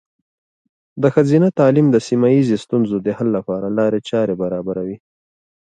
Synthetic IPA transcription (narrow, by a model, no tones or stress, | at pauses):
d̪əxazinat̪ɑlimd̪əsimajizest̪unzod̪əhalːapɑɾalɑɾet͡ʃɑɾebaɾɑbaɾawi